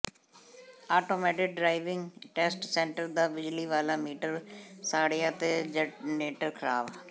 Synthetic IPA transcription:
aːʈoːmɛːʈɪk̚ɖɾaːɪʋɪ̃ŋɡʈɛsʈsɛ̃ːɳʈəɾd̪aːbɪd͡ʒliːʋaːlaːmiːʈəɾsaːɽeːat̪eːd͡ʒəneːʈəɾkʰəɾaːb

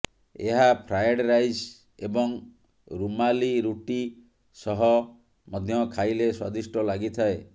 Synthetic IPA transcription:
eɦapʰɾajɽɾajd͡ʒ | ebɔŋ | ɾumaliɾuʈi | sɔɦɔ | mɔd̪ʱjɔkʰajleswad̪isʈɔlaɡit̪ʰae

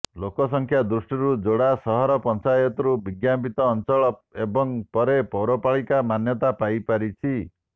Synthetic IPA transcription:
lokɔsɔŋkʰjad̪ɾusʈiɾud͡ʒoɽasɔɦɔɾɔpɔnt͡ʃajɔt̪ɔɾubiɡjapit̪ɔːnt͡ʃɔɭɔebɔŋpɔɾepɔwɾɔpaɭikamanjɔt̪apajpaɾit͡ʃʰi

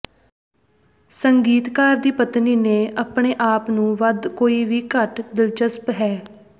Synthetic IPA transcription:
səŋɡiːt̪kaːɾd̪iːpət̪niːneːʔəpɳeːʔaːpnũːʋəd̪koːiːʋiːkəʈd̪ɪlt͡ʃəspɦɛː

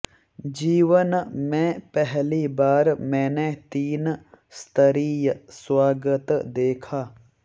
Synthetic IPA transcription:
d͡ʒiːʋənmẽːpɛɦliːbaːɾmɛ̃ːnet̪iːnst̪əɾiːjswaːɡət̪d̪eːkʰaː

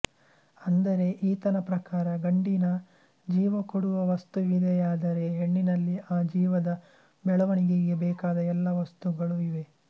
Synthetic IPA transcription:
ɐnd̪ɐɾe̞ʔiːt̪ɐnɐpɾɐkaːɾɐɡɐɳɖinɐ | d͡ʒiːʋɐkoɽuʋɐʋɐst̪uʋid̪ɛjaːd̪ɐɾe̞ɦeɳːinɐlːiʔaːd͡ʒiːʋɐd̪ɐ | bɛɭɐʋɐɳiɡeɡe̞bɛːkaːd̪ɐɛlːɐʋɐst̪uɡɐɭuiʋe̞

